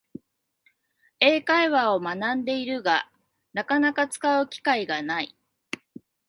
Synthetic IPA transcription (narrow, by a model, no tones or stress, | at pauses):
e̞ːkaiβao̞manãnd̪e̞iɾɯ̟ɡa | nakanakat͡sɨ̥kaɯ̟kʲi̥kaiɡanai